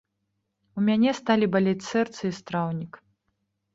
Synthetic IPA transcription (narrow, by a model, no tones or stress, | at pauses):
umʲanʲɛst̪alʲibalʲɛt͡sʲsɛrt̪sɨist̪ɾawnʲik